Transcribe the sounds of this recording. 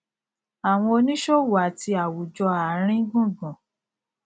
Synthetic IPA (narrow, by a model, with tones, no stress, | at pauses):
a˨w̃ɔ̃˧o˧nĩ˦ʃo˦wa˨tʰi˧a˨wu˨d͡ʒɔ˧a˨˦ɾ̃ĩ˦ɡũ˦˨ɡɔ̃˨